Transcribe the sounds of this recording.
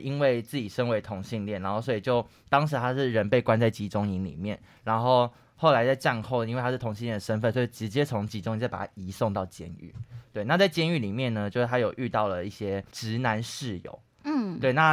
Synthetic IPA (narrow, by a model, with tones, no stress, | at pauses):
ʔi˦˥nwe˥˩ɪt͡sɹ̩˥˩t͡ɕi˨˩ʂə˥nwe˧˥ɪt̪ʰʊ˧˥ŋɕi˥˧nljɛ˥˩nːa˧˦nxo˥˩ʊsɔ˧˥i˨˩t͡ɕjo˥˩ʊ | t̪ɑ˥ŋʂɻ̩˧˥t̪ʰa˥ʂɻ̩˥˩ɻə˧˦npe˥˩ɪkwa˥nt͡sa˥˩ɪt͡ɕi˧˥ʈ͡ʂʊ˥ŋi˧˥nlḭ˨˩mjɛ˥˩n | ɻa˧˥nxo˥˧ʊ | xo˥˩ʊla˧ɪt͡sa˥˧ɪʈ͡ʂa˥˧nxo˥˩ʊi˥nwe˥ɪtʰa˥ɻ̩ʰ˥˩ʊ˧˥ŋɕi˥˧ljɛ˥˩nd̪ə˨ʂə˥nfə˥˨nswo˥˩˥ʈ͡ʂɻ̩˧˥t͡ɕjɛ˥˦t͡sʰo˧˦ŋt͡ɕi˧˥ʈ͡ʂo˥˦ŋ˧˥t͡spa̰˨˩a˥˩i˧˥sʊ˥˧ŋt̪ɑ˥˩ʊt͡ɕjɛ̰˥ny̰˥˨˩t̪we˥˩ɪna˥˧t͡sa˥˩ɪt͡ɕjɛ˥ny˥˩li˨˩mjɛ˥˩nnə˩t͡ɕjo˥˧˥t̪ʰa˥jo˨˩ʊʔy˥˧t̪ɑ˥˩ʊlə˩i˥˩ɕjɛ˦˥ʈ͡ʂɻ̩˧˥na˧˥nʂɻ̩˥˩jo̰˨˧˩ʊ˥˩ | t̪we˥˩ɪna˥˧